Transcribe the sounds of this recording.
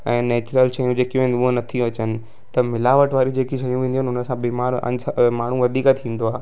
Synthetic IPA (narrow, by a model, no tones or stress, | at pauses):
ɛ̃ːnɛːt͡ɕɾəlʃɐjũd͡ʑeːkijũẽnd̪ʊɦonɐt̪ʰiɐt͡ɕənɪ̆ | t̪ɐmɪlaːʋəʈʋaːɾid͡ʑeːkiʃɐjũʋẽːnd̪iɦnʊnəsãbiːmaːɾɐ̰nsmaːɳ̤ũʋɐd̪ʱiːkət̪ʰĩːn̆d̪oaːɦ